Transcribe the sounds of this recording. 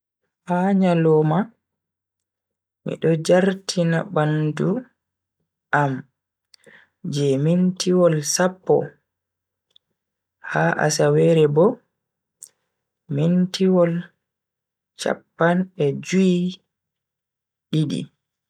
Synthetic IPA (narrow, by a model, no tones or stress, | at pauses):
ʔaɲalɔːma | mḭɗɔd͡ʒaɾtʰinabandu | ʔam | d͡ʒɛmintiwɔlsapːɔ̰ | haʔa̰sawɛɾɛbɔ | mintiwɔl | t͡ʃa̰pːanɛd͡ʒui | ɗiɗḭ